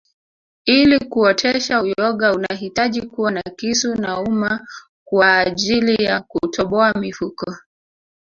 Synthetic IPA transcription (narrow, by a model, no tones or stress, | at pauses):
ilikuɔtʰɛʃaujɔɠaunaɦitaʄikuwanakisunauma | kwaːʄilijakutʰɔɓɔamifukɔ